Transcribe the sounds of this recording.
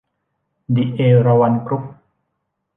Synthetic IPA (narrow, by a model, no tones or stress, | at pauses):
diʔeɾawankɾup̚